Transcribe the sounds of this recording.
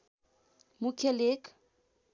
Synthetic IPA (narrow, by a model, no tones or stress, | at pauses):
mukʰelek